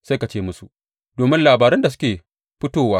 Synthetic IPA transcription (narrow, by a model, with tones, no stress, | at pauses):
sa˦ka˨t͡ʃeː˦mʊ˦su˨ʔ | doː˨mɪ˦nlaː˨baː˨ɾɛ˦nda˨sʊ̥˦kʲeː˨ | ɸɪ˦toː˦˨waː˦